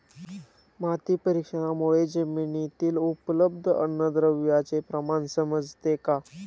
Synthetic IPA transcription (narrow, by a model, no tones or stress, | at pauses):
mat̪iːpəɾikʂəɽ̃amoɭed͡ʑəminit̪iːlupləbd̪ʱəə̰nːəd̪ɾəʋjat͡sepɾəmansəməd͡zʱt̪eka